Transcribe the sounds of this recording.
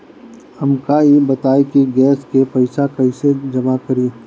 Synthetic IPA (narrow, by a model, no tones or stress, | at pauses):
ɐmkaebɐt̪aːikiɡɛːskepɐɪsakɐĩsed͡ʒɐmakɐɾiː